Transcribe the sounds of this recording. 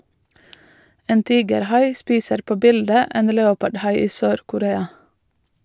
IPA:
ˈeːn ˈtiːɡəɾˌhɑɪ ˈspiːsəɾ ˈpoː ˈbɪldə ˈeːn ˈleːʊpɑɖˌhɑɪ ˈiː ˈsøːɾkʊˌɾeːɑ

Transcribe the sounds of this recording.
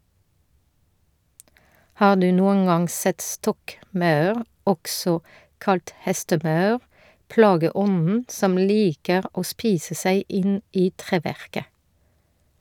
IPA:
ˈhɑː ˈdʉː ˈnuːəŋ ˈɑŋ ˈsɛt ˈstɔkˌmɑʉʁ ˈɔksɔ ˈkɑlt ˈhɛstəˌmɑʉʁ ˈplɑːɡəˌɔnn̩ ˈsɔm ˈliːkəʁ ˈoː ˈspiːsə ˈsæɪ ˈʔɪn ˈiː ˈtʁeːˌʋæʁkə

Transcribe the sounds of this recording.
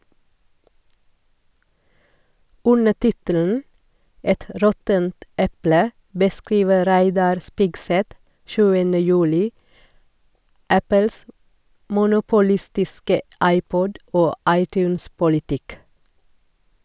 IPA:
ˈʉnə ˈtɪtəln̩ ˈɛt ə ˈɾɔtənt ˈʔɛplə bəˈskɾiːʋə ˈɾæɪdɑɾ ˈspɪɡˌsɛt ˈʃʉːənə ˈjʉːlɪ ˈʔæpəls ə mʊnʊpʊˈlɪstɪskə ˈʔɑɪˌpɔd ˈoː ˈʔɑɪˌtjʉːnspʊlɪˌtɪk

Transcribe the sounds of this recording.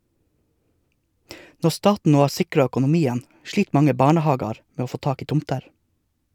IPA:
ˈnɔ ˈstɑːtn̩ ˈnoː ˈhɑːɾ ˈsɪkɾɑ œkʊnʊˈmiːən ˈʃɭiːt ˈmɑŋə ˈbɑːɳəˌhɑːɡɑɾ ˈmeː ˈoː ˈfoː ˈtɑːk ˈiː ˈtʊmtəɾ

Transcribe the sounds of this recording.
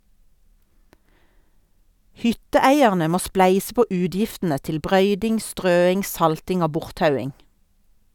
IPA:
ˈhʏtəˌæɪæʁnə ˈmoː ˈsplæɪsə ˈpoː ˈʉːdjɪftn̩ə ˈtɪl ˈbʁœʏdɪŋ ˈstʁøːɪŋ ˈsɑltɪŋ ˈoː ˈbʊʁtˌtɑʉɪŋ

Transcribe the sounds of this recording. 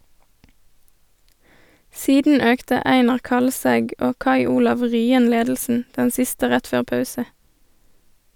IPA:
ˈsiːdn̩ ˈøːktə ˈæɪnɑʁ ˈkɑlˌsɛɡ ˈoː ˈkɑɪ ˈuːlɑʋ ˈʁyːən ˈleːdl̩sn̩ ˈdɛn ˈsɪstə ˈʁɛt ˈføːʁ ˈpɑʉsə

